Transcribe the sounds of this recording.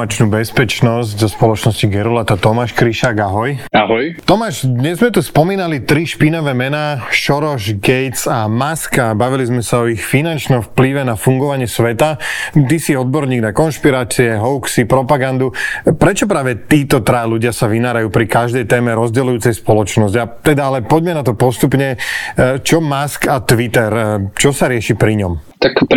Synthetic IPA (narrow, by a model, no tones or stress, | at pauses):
at͡ʃnuːbɛspɛt͡ʃnɔzɟzɔspɔlɔt͡ʃnɔsciɡɛɾulat̪at̪ɔmaːʃkɾiʃaːɡaɦɔjaɦɔjt̪ɔmaːʒd̪ɲɛzmɛt̪uspɔmiːnalit̪ɾiʃpinɔʋɛːmɛnaːʃɔɾɔʒɡɛjt͡samaskabaʋilizmɛsaɔixfinant͡ʃnɔmfpliʋɛnafuŋɡɔʋaɲɪɛsʋɛt̪at̪isiɔd̪̚bɔɾɲiːɡnakɔnʃpiɾaːt͡siɛɦɔʊksipɾɔpaɡand̪upɾɛt͡ʃɔp̬ɾaːʋɛt̪iːt̪ɔt̪ɾajluɟɪasaʋinaːɾajuːpɾikaʒd̪ɛjt̪ɛːmɛɾɔzɟɛlujuːt͡sɛjspɔlɔt͡ʃnɔsɟat̪ɛd̪aalɛpɔɟmɛnat̪ɔpɔst̪upɲɛ | t͡ʃɔmaskat̪ʋit̪ɛɾt͡ʃɔsaɾɪɛʃipɾiɲɔmt̪ak